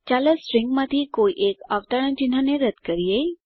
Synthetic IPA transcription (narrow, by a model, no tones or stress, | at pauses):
t͡ɕaləsɾɪŋɡmat̪ʰikoiʔekaʋt̪əɽə̃nd͡ʒin̤aneɾəd̪kəɾijej